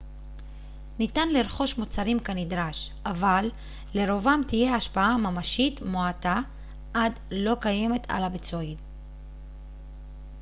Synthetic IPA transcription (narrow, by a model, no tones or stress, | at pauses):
nit̪anliɾχo̞ʃmot͡saɾimkanid̪ɾaʃʔavalː | e̞ɾo̞vamt̪ije̞aʃpaamamaʃit̪moata | ʔad | lo̞kaje̞me̞t̪ʰa̰labet͡soid